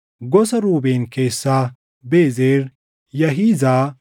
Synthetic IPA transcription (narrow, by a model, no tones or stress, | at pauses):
ɡɔsɐɾuːbeːnkeːsːaː | beːzeːɾ | jɐɦiːzaː